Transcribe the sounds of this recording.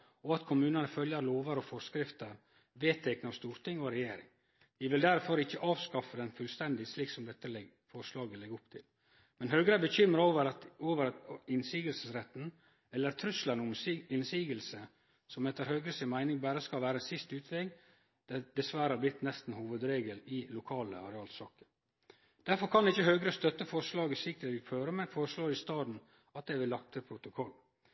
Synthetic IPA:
ɔɑt̪kʰʊmʉːnɑnəfœljəɾloːʋəɾɔfɔskɾɪft̪əɾ | ʋeːt̪ʰɛknəɑʋst̪uːɾt̪ʰɪŋːɔɾɛjeːɾɪŋ | ʋɪʋɪld̪æɾfɔɾɪçːəʔɑːʋskɑfəd̪ɛnfʉlst̪ɛnd̪ɪsliːksɔmd̪ɛt̪ːəl | fɔɾslɑːɡəlɛɡːʊpt̪ʰɪl | mɛnɦœːɡɾəbəçʏmːɾəoʋəɾɑoːʋəɾɑɪnsiːɡəlsəsɾɛt̪ːn̩ | ɛlːəɾt̪ʰɾʉslɑnʊɪnsiːɡəlsə | sɔmɛt̪ːəɾhøːɡɾəsɪmæɪnɪŋbæːɾəskɑlʋæːɾəsɪst̪ʉːt̪ʰʋɛɡ | d̪̥ɛd̪ɛsʋæɾəhɑːblɪt̪ːnɛst̪n̩huːʋəd̪ɾeːɡəlɪlʊkʰɑːlə̰ɑ̰ɾɛɑːlsɑːkə̥ | d̪̥æɾfɔɾkʰɑnɪçəhøːɡɾəst̪œt̪ːəfɔɾʂlɑːɡɪsɪk̚t̪ʰəɾɪføːɾəmɛnfoɾəʂloːɾɪst̪ɑːd̪n̩ | ɑt̪̚d̪ɛɪʋɪlːɑk̚t̪ʰəpʰɾʊt̪ʊkʰɔlː

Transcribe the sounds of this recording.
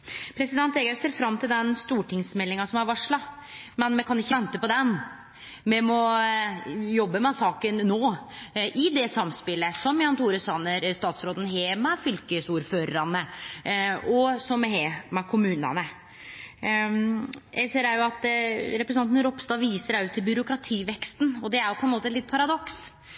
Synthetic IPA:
pʰɾɛsɪd̪ɛnt̪eɡəseːɾfɾɑmːt̪ʰɪld̪ɛnst̪uːʈɪŋsmɛlːɪŋɑsɔmæɾʋɑʂɭɑmɛnmɛkʰɑnɪçːəʋɛnt̪əpɔd̪ɛn | mɛmɔ | jɔbːəmɛsɑːkənːoːʔɪd̪ɛsɑmspɪlːəsɔmjɑnt̪ʰuːɾəsɑnəɾst̪ɑːt̪sɾoːd̪ən̩ɦeːmɛfʏlkəsuːɾføːɾəɾɑnə | ɔsɔmɛheːmɛkʰʊmʉːnə̰nə | jʔæseːɾæɾjʊɑt̪ɾɛpɾəsnɑnn̩ɾɔpst̪ɑːʋiːsəɾæʉt̪ʰːɪlbʏɾʊkɾɑt̪ʰiːʋɛkst̪nɔd̪ɛæɾjʊpʰɔɛnmoːt̪əlɪt̪̚ːpʰɑɾɑd̪ɔks

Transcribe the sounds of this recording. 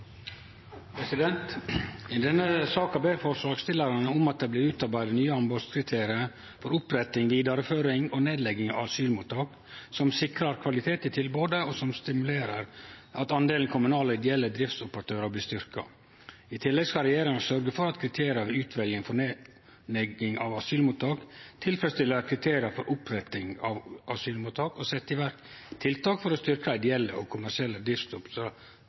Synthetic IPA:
pʰɾɛsɪd̪ɛnt̪ɪd̪ɛnːəsɑːkɑbeːɾfɔɾʂlɑːkst̪ɪlɑɾɑnəʊmɑt̪̚d̪ɛːblɪːɾʉːt̪ɑɾbæɪd̪ənyːəɑnbɔskʰɾɪt̪ʰeːɾɪə | fɔɾʊpɾɛt̪ːɪŋʋiːd̪ɑɾəføːɾɪŋɔneːd̪lɛɡɪŋɑ̰ɑsyːlmuːt̪ːɑːk | sɔmsɪkɾɑɾkʰʋɑlɪt̪ʰeːt̪ɪt̪ʰɪlboːd̪əɔsɔmst̪ɪmʉleːɾəɾʔɑt̪ɑnd̪eːln̩kʰʊmʉnɑːləɪd̪ɛɛlːəd̪ɾɪft̪sʊpəɾɑt̪ʰøːɾəblɪːst̪ʏɾkɑ̰ | ɪt̪ʰɪlːɛɡskɑlɾɛjeːɾɪŋɑsœɾɡəfɔɾɑt̪kʰɾɪt̪ʰeːɾɪɑʋʉːt̪ʰʋɛljəŋfɔɳe | nɛɡɪŋɑ̰ʋɑsyːlmuːt̪ɑːkt̪ʰɪlfɾɛst̪ɪlːəkʰɾɪt̪ʰeːɾɪɑfɔɾʔʊpɾɛt̪ɪŋɑʋʔɑsyːlmuːt̪ʰːɑːkɔsɛt̪ːɪʋæɾkt̪ʰːɪlt̪ʰɑːkfɔɾɔst̪ʏɾkɑɪd̪ɛɛlːə̰ʔɔkʰʊmæʂɪɛlːəd̪ɪft̪ʊpsɔ

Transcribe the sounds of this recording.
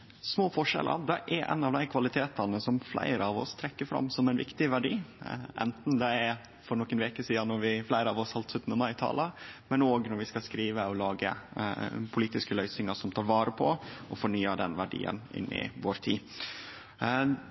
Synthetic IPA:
smoːfɔʂɛ̰lʔə̰d̪ɛʔæɾʔɛ̰nɑʋd̪æɪkʰʋɑlɪt̪ʰeːt̪ɑnəsɔmflæ̰ɪɾəɑʋɔ̰st̪ʰɾɛkːəɾfɾɑ̰mːsɔmɛɪnʋɪ̰kt̪ɪʋæɖiːʔɛ̰nt̪n̩d̪ɛæɾ | fɔɾnɔkːənʋeːkəsiːɑnɔɾʋɪflæɪɾəɑʋɔshɑlt̪sʉt̪ənəmɑɪɪt̪ʰɑ̰ːləmɛnoːɡnɔɾʋɪskɑskɾiːʋəɔlɑːɡə̰ | pʰʊliːt̪ɪskəlœʏsnɪŋəʂɔmt̪ʰɑːɾʋɑːɾəpʰɔʔɔfɔɳyːəd̪ɛnʋæɖḭːə̰nɪ̰nːɪ̰ʋoːɾt̪ʰiː

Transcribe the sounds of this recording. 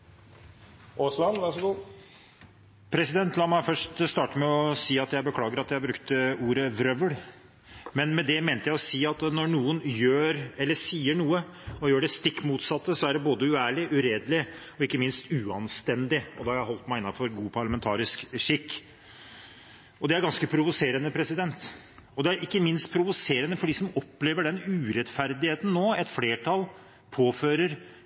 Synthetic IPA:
ʔoːslɑnʋæʂɡuː | pʰɾɛsɪd̪ɛnt̪lɑːmæɪfœʂʈst̪ɑːʈəmɛɔsiːɑt̪jæɪbəkʰlɑːɡəɾɑt̪jæɪbɾʉkt̪əuːɾəʋɾœʋəɽ | mɛnmɛd̪ɛmeːnt̪əjæɪɔsiːɑt̪nɔɾɳuːənjøːɾɛlːəsiːəɳuːə | ɔjøːɖɛst̪ɪkːmuːt̪sɑt̪ːəsɔæɖɛboːd̪əʉæːɭɪʔʉɾeːd̪lɪɔɪkːəmɪnst̪ʉːɑnst̪ɛnd̪ɪɔd̪ɛhɑɾjæɪɦɔlt̪mæɪɪnːɑfɔɾɡuːpʰɑɭɑmɛnt̪ʰɑːɾɪskʂɪkː | ɔd̪ɛæɾɡɑnskəpʰɾʊʋʊseːɾənəpʰɾɛsɪd̪ɛnt̪ | ɔd̪ɛæɾɪkːəmɪnst̪̚pʰɾʊʋʊseːɾənəfɔɖiːsɔmɔpːleːʋəɖɛnʉːɾɛt̪fæɾd̪ɪheːt̪n̩nːoːɛt̪fleːʈʰɑl | pʰoːføːɾəɾ

